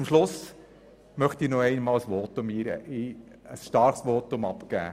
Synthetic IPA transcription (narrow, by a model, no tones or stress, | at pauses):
ʊmʃlʊs | mœχtiːnɔɛɪnmɑːləsʋoːtʊmiːɾə̰ʔɪ | əsʃtɑɾχsʋoːt̪ʊmɑpɡæ̰ː